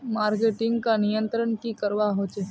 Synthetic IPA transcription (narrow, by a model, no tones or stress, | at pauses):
maːɾkeʈɪ̃ŋɡkanɪjə̃nt̪ɾəɳkikəɾʋaɦot͡ʃe